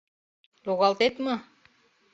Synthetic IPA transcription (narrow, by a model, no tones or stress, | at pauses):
loɣɑlˠt̪et̪mɤ